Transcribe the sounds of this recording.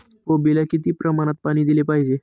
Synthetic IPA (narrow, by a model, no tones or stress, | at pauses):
kobilakit̪iːpɾəmaɽ̃at̪̚paɽ̃iːd̪ilepaɦid͡ʑe